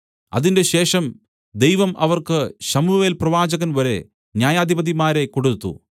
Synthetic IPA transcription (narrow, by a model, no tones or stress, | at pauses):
ɐ̰ðinde̞ɕe̞ːʂɐm | d̪e̞jʋɐmʔɐ̰ʋɐrkɨɕɐmuʋeːlprɐʋaːd͡ʑɐɣɐnʋɐɾe̞̰ | njaːjaːd̪ʱibɐðimaːɾe̞ko̞ɽut̪ːṵ